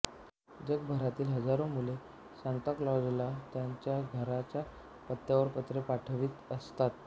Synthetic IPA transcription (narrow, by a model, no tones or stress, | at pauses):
d͡ʑək̚bʱəɾat̪iːlɦəd͡zaɾomule | ɕant̪aklɔd͡zlat̪jaɲt͡ɕjaɡʱəɾat͡ɕja | pət̪jaʋəɾpət̪ɾepaʈʰʋiːt̪əst̪at̪̚